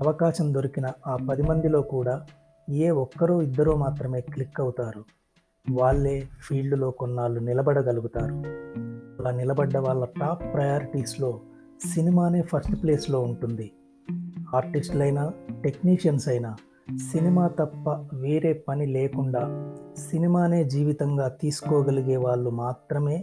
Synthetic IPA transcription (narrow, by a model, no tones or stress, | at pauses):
ɐʋɐkaːʃɐmd̪o̞ɾikinɐaːpɐd̪imɐnd̪ilo̞ːkuːɽaː | ieːɔkːɐɾoːid̪ːɐɾuːmaːt̪ɾɐme̞ːklikːɐwut̪aːɾu | ʋaːɭːe̞ːpʰiːlɖulo̞ːkɔnːaːɭːunilɐbɐɽɐɡɐluɡut̪aːɾu | ɐlaːnilɐbɐɖːɐʋaːɭːɐʈaːpːɾɐjaːɾiʈiːslo̞ː | sinimaːne̞ːpʰɐsʈpleːslo̞ːuɳʈund̪i | aːɾʈisʈlɐjnaʈe̞kniːʂɐnsɐjnaː | sinimaːt̪ɐpːɐʋeːɾe̞ːpɐnileːkuɳɖaːsinimaːne̞ːd͡ʒiːʋit̪ɐŋɡaːt̪iːsu̥koːɡɐliɡe̞ːʋaːɭːumaːt̪ɾɐme̞ː